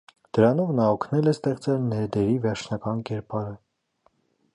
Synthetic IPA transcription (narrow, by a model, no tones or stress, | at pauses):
d̪̥əɾɑnɔvnɑɔkʰnɛlɛst̪ɛχt͡sɛlnɛɾd̪ɛɾivɛɾt͡ʃʰnɑkɑnkɛɾpɑɾə